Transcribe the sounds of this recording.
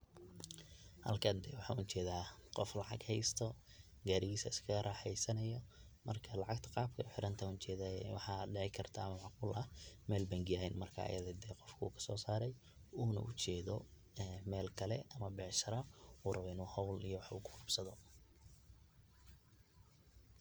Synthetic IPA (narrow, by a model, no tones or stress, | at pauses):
hɐ̰lkʰɐnd̪ɛːwɑħɑ̰ːʊʊt͡ʃɛːðaːqɔflɑʕɑ̰ɡhɛjst̪ʰɔ | ɡaːɾɪɣiːsɐɪskʰɐɣɐɾʔaːħɛjsɐnɐjɔ | mʔɐ̰rkʰɐlɑʕɑɡt̪ʰɐ̥qɑːb̚kʰɐʊħɪɾɐnt̪ʰɐʊnt͡ʃɛːðawɑħɑːɖɛʕɛjkʰɐrt̪ʰaːmɐwʕɑq̚ʊːlɐmɛːlbɐŋɡɪjɐɛjnmɐrkʰa̰ːʔɐ̰jɐðɐd̪ɛːqɔfkʰuːkʰɐ̥sɔːsaːɾɛj | uːnɐ̰ʔʊt͡ʃɛːðɔ | ɛmɛːlkʰɐlɛɐmɐbɛʕʃɐɾɐfuːrɐwɛjnuːhɐwlijɔwɑħṵːkʰʊ̥qʊbsɐðɔ